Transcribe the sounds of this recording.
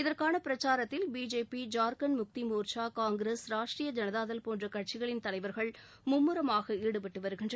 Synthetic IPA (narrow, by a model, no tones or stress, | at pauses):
ɪðɐrkaːnɐpɪɾɐt͡ʃːaːɾɐt̪ːɪlbiːd͡ʒeːpid͡ʒaːɾkɐnmʊk̚t̪imoːɾt͡ʃaːkaːŋɡɾeːsɾaːʂʈrijɐd͡ʒɐnɐðaːðɐlpoːndrɐkɐʈ̚t͡ʃɪɣɐɭɪnt̪ɐlɐɪʋɐɾɣɐɭ | mʊmːɯɾɐmaːɣɐiːɽɯpɐʈːɯʋɐɾɯɣɪndrɐ